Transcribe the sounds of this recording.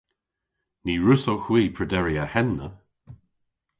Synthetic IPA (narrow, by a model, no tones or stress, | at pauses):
niːɹʊsowxwiːpʰɹədɛɹiahɛnːə